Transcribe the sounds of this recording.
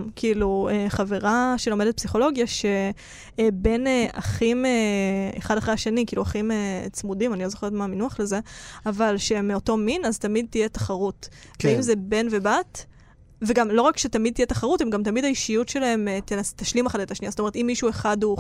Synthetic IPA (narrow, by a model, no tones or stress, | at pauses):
mkʰiilueχaveʁaʃe̞lo̞medet̪̚psiχo̞lo̞ɡjaʃe | be̞neaχimeḛχadaχʁeaʃenikiːluaχimet͡smudimanilozo̞χe̞jotmaːminuaχleze̞avalʃemeoto̞minazt̪amid̚t̪ijet̪ḁχaʁut | veimze̞be̞nve̞bat | veɡamlo̞ʁakʃet̪amid̚t̪ijetaχaʁutemɡamt̪̬amidhaiʃijutʃe̞lahe̞met̪enast̪aʃlimaχadet̪aʃniasotomt̪imːiʃue̞χadu